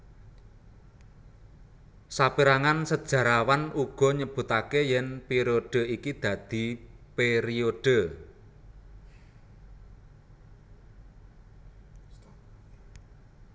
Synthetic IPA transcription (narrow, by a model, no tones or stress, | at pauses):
sapiɾaŋansəd̥ʒ̥ä̤ɾawanuɡ̥ɔ̤ɲəb̥ṳt̪akejɛnpeɾioɖ̥ə̤ikid̪̥ä̤d̪̥i̤peɾioɖ̥ə̤